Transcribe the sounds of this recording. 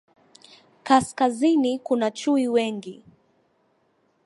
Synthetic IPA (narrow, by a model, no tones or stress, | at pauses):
kaskazinikunat͡ʃuiwɛŋɡi